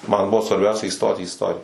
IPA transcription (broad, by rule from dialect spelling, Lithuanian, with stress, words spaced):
mɐn ˈbʊʋoː sʋɐrʲˈbʲɛʊsʲɛ iːˈstoːtʲɪ iː ɪsˈtoːrʲɪjɛ